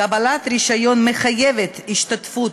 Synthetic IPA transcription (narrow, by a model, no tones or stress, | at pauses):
abalat̪ɾiʃajo̞nmeχajevet̪iʃt̪at̪fut̪